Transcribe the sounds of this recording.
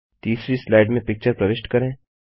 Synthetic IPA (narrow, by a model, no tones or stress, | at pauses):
t̪iːsɾislaːɪɖmẽpɪk̚t͡ʃəɾpɾɐʋɪsʈkɐɾẽː